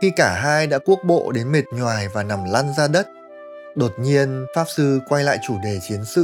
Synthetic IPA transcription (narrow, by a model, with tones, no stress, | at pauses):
xi˧kaː˧˩ɦaː˧jɗa̰ː˧˥ku˦˥ək̚ɓo̰˧˨ɗe˨˦nme˨˩t̚ɲwaː˨˩jvaː˨˩na˨˩mla˧nzaː˧ɗə˦˥t̚ | ɗo˨˩t̚ɲi˧ənfaː˦˥p̚sɨ˧kwa˧jla̰ː˧˨jt͡ɕu˧˩ɗe˨˩t͡ɕi˨˦ənsɨ̰˧˨